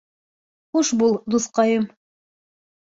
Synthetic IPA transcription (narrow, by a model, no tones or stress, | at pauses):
χuʃbulˠd̪uθqɑjɤm